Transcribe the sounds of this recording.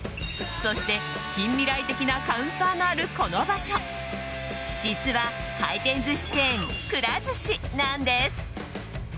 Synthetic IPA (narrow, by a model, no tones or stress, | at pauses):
so̞ɕi̥t̪e̞ | kʲĩmːʲiɾait̪e̞kʲinakaɯ̟̃nt̪aːŋaaɾɯ̟ko̞no̞baɕo̞ | d͡ʑit͡sɨβa | t̪aik̪ẽ̞nzɨɕi̥t̪ẽŋkɯ̟ɾazɨɕinãnd̪e̞sɨ̥